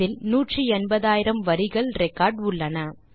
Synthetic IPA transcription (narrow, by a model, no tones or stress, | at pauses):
ɪlnuːʈrɯɛnbɐðaːjɪɾɐmʋɐɾɪɣɐɭɾɛkːaːɾɖʊɭːɐnɐ